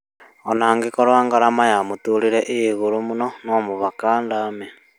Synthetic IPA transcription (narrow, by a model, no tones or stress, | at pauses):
onaːŋɡikoɾwaːŋɡaɾamajamutuːliɾeʔeiɣuɾumunonoːmuβakaːndame